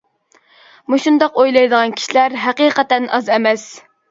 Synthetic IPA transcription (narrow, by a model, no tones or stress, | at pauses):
muʃund̪ɑqojlˠɑjd̪əʁɑnkʲʰi̥ʃilæɾɦæqiːqɛt̪ɛnɑzɛmɛs